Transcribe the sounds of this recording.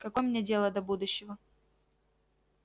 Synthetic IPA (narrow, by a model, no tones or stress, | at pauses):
kɐkojmnʲedʲe̞lˠəd̪ɐbud̪ʊɕːɪvə